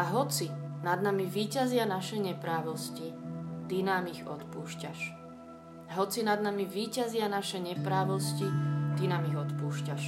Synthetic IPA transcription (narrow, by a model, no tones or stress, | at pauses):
aɦɔt͡sinad̪namiʋiːcazɪanaʃɛɲɛpɾaːʋɔscit̪inaːmiɣɔ̰t̪puːʃcaʃ | aɦɔt͡sinad̪namiʋiːcazɪanaʃɛɲɛpɾaːʋɔscit̪inaːmiɣɔt̪puːʃcaʃ